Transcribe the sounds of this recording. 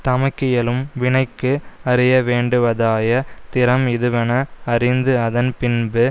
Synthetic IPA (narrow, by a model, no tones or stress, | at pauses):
t̪ɐmɐɪkːɪjɐlɯmʋɪɳɐɪkːɯɐrɪjɐʋeːɳɖɯʋɐðaːjɐt̪ɪɾɐmɪðɯʋɐnɐːrɪnd̪ɯɐðɐnpɪnbɯ